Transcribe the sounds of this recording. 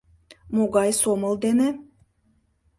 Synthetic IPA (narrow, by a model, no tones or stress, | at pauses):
moɡɑjsomə̆lˠd̪ene